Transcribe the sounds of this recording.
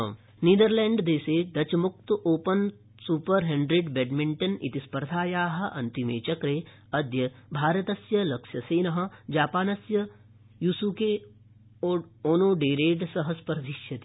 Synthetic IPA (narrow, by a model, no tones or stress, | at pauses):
niːd̪ɐɾlɛːɳɖd̪eːseːd̪ɐt͡ʃɐmʊk̚t̪ʔoːpɐn | suːpɐɾɦeɳɖɾiɖbeɖmiɳʈɐnḭt̪ispɐɾd̪ʱaːjaːɦɐ̆ʔɐ̰nt̪imeːt͡ʃɐkɾeː | ɐd̪jɐbʱaːɾɐt̪ɐsjɐlɐkʃjɐseːnɐɦɐ̆d͡ʒaːpaːnɐsjɐ | jusuke | ooːnoːɖeːɾeːɖsɐɦɐspɐɾd̪ʱiʃjɐt̪i̥